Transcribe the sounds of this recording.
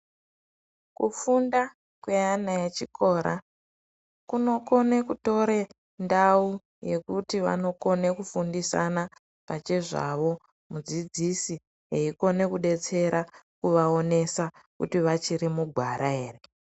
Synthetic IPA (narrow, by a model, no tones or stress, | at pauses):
kṵfunda | kweanajet͡ʃikʰo̞ːɾa̰ | kuno̞ko̞nekuto̞ɾe | ndau | je̞kutiʋa̰no̞ko̞ne̞kufundisa̰na | pat͡ʃe̞ʐa̰ʋo̞ | mud͡zid͡zisi | ɦeiko̞ne̞kuɗe̞t͡se̞ɾa | kuʋao̞ne̞sa | kutiʋat͡ʃiɾimuɡʱwaɾʔae̞ːre